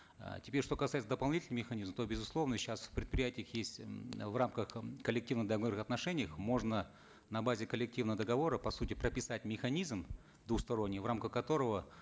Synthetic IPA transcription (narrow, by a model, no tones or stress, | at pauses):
tʲɪ̥pʲeɾʲʂt̪o̞kɐsajɪt̪əd̪əpɐlˠnʲitʲlnəmmʲɪxɐnʲizmət̪obʲɪzʊslˠo̞vnəɕasfpɾʲɪt̪̚pɾʲɪjætʲɪjəxjesʲtʲvramkəxkəlʲɪk̚tʲivnəd̪əɡornəxɐt̪nɐʂɛnʲɪjəxmo̞ʐnə | nɐbazʲɪkəlʲːɪk̚tʲivnəvəd̪əɡɐvo̞ɾəpɐsutʲɪpɾəpʲɪsatʲmʲɪxɐnʲizm | d̪vuxst̪ɐɾo̞nʲːɪjvramkəxkːɐt̪o̞ɾəvə